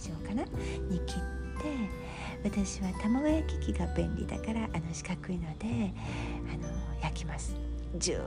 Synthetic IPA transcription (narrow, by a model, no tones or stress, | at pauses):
ʑiokanaɲikʲit̪ːe̞ | βat̪aɕiβat̪amaɡɯjakʲi̥kʲiɡabẽ̞nʲɾʲḭd̪a̰kaɾaʔano̞ɕi̥kakɯ̟ino̞d̪e̞ | ano̞jakʲimasɨ̥ | d͡ʑɨ̰